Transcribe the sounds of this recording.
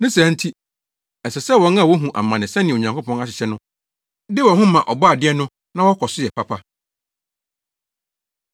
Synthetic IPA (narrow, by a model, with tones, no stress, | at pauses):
nɪ̃˦sã˨˦n̩˦tʰi˦ | ɛ˨sɛ˨sɛ˦wɔ̃˦na˦˨wo˦ɦũ˨ʔa̰˨mːã˨nɪ̃˨sɛ̃˦nɪ̃˨ɲã˨ŋkʰo˦pʰɔ̃˦na˦ɕɪ̥˨ɕɛ˦nʊ̃˦ | dɪ˦wɔ̃˨ɦʊ̃˦mã˨ʔɔ˨bɔ˦a˨dɪ˦ɛ˦nʊ̃˦ | nã˦wɔ˦kʰɔ˨sʊ˦jɛ˨pʰa˦pʰa˦